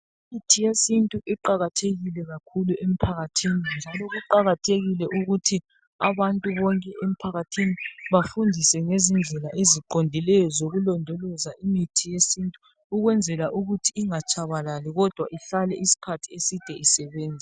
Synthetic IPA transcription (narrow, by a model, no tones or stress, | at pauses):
imitʰijesintʼuʔiǃaɣatʰeɣilɛɣakʰuluʔem̩pʰaɣatʰinind͡ʒʱalɔɣuǃaɣatʰeɣilɛʔuɣutʰi | a̰βantʼuβɔŋkʼɛʔem̩pʰaɣatʰiniβafundʱisɛŋezind͡ɮʱɛlaʔeziǃondʱilɛjɔzoɣulɔndʱɔlɔzaʔimitʰijesintʼuː | ɣwɛnd͡zʱɛlaʔuɣutʰiiŋat͡ʃʼʰaβalaliɣɔd̥ʱwa̰ʔiɬalɛʔisi̥kʰatʰi̥esid̥ʱɛisɛβeːnd͡zʱi